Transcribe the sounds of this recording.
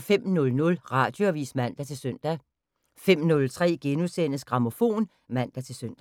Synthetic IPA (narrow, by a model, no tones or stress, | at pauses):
fem̰nɔ̽lnɔ̽lʁɑ̈d̥jo̝æʋḭːsmæn̰d̥æt͡sʰe̝lsøn̰d̥æ | fem̰nɔ̽lt͡sʰʁɛ̰ːɡ̥enusen̰əsɡ̥ʁɑ̈mo̝fo̝̰ːn | mæn̰d̥æt͡sʰe̝lsøn̰d̥æ